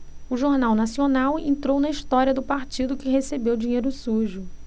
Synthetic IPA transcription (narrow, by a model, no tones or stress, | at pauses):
ʊʒoɾnawnasionawḛ̃nt̪ɾownɐiʃt̪ɔɾiɐd̪ʊpaɾt͡ʃid̪ʊkɪɦesebewd͡ʒĩɲejɾʊsuʒʊ